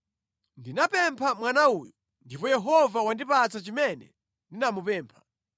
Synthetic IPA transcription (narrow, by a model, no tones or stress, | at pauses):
ndinapɛmpʰamwanauːjɔ | ndipɔjɛɦɔvawandipat͡sat͡ʃimɛnɛ̰ | ndinamupɛːmpʰḁ